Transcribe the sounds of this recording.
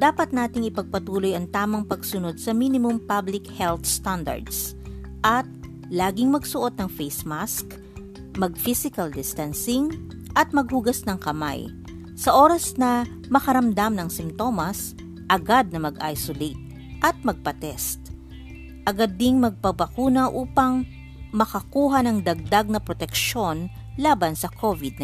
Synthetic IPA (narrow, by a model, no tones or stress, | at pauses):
d̪̥aːpɐt̪̚naːt̪ɪŋɪpɐɡ̚pɐt̪uːlojɐŋt̪aːmɐŋpɐɡsʊno̞d̪̚sɐminɪmʊmpablɪkhɛlt̪st̪and̪ɐ̰ɹd̪s | ʔɐt̪̚ | laːɡɪŋmɐɡsʊʔo̞d̪̚nɐŋfejsmask | mɐɡ̚fisɪkɐld̪ɪst̪ɐnsɪŋ | ʔɐt̪̚mɐɡ̚huɡɐsnɐŋkɐma̰j | sɐʔo̞ːɾɐsnɐ | mɐkɐɾɐmd̪amnɐŋsɪmt̪o̞mɐs | ʔɐɡad̪̚nɐmɐɡʔa̰jsolejt̪̚ | ʔɐt̪̚mɐɡ̚pɐt̪ɛst̪̚ | ʔɐɡad̪ːɪŋmɐɡ̚pɐbɐkuːnɐʔuːpɐŋ | mɐkɐkuːɦɐnɐŋd̪ɐɡ̚d̪aɡ̚nɐpɾot̪ɛkʃo̞n | laːbɐnsɐkʰovɪd̪̚n